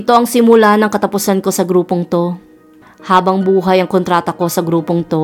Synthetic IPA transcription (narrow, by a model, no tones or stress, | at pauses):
ɪt̪o̞ʔɐŋsɪmʊlanɐŋkɐt̪ɐpʊsɐnko̞sɐɡɾuːpoŋt̪o̞ | haːbɐŋbuːɦɐjɐŋkont̪ɾaːt̪ɐko̞sɐɡɾuːpoŋt̪o̞